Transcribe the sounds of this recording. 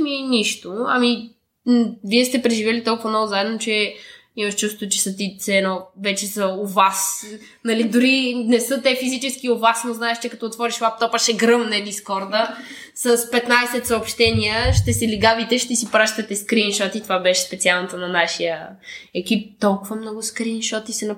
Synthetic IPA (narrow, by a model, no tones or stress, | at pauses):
miniʃt̪ʊɐmi | viɛst̪ɛpɾɛʒivjɛlit̪ɔlˠkʊvɐnɔvʊzaɛd̪not͡ʃɛ | imɐʃt͡ʃust̪ot͡ʃɛ̥sət̪it̪sɛnovɛt͡ʃɛsəovas | nɐlid̪ʊɾinɛsɤt̪ɛfizit͡ʃɛsk̟iovasnoznaɛʃt͡ʃɛkɐt̪ɔot̪vɔɾiʃlˠap̚t̪ɔpəʃɛɡɾɤmnɛd̪iskɔɾd̪ə | səspɛt̪najsɛt̪səopʃt̪ɛniəʃt̪ɛsɛliɡavit̪ɛʃt̪ɛsipɾaʃt̪ɐt̪ɛskɾinʃɔt̪it̪ovabɛʃɛ̥spɛt̪sialˠnɐt̪onɐnaʃijəɛkip̚t̪ɔlˠkʊvəmnɔɡʊskɾinʃɔt̪isɛnɐ